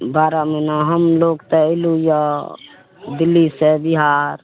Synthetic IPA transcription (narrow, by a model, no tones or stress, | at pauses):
baːɾaminaɦəmloːɡt̪ɛiluja | d̪ɪlːisebiɦaːɾ